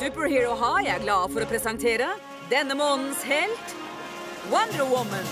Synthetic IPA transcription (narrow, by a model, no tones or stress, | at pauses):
sʉːpəɹhiːɹɔɦɑːjæɪæɾɡlɑːfɔɾɔpʰɾɛsɑŋt̪ʰeːɾə | d̪ɛnːəmoːnn̩shɛlt̪ | wʌnd̪əɹəwʊmə̃n